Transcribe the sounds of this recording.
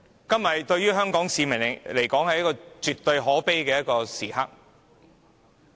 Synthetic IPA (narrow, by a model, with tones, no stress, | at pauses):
kɐ˥mːɐ˨jt̪ɵ˧ɥjɥyː˥ɦœː˥ŋkɔː˨˥ŋsiː˨˧mɐ˨˩ŋ˨˩le˨˩jkɔː˨˥ŋhɐ˨jɐ˥kɔː˧t͡ʃyː˨t̪ɵ˧ɥɦɔː˨˥pe˥jkɛː˧jɐ˥t̚kɔː˧siː˨˩ɦɐ̰˥k̚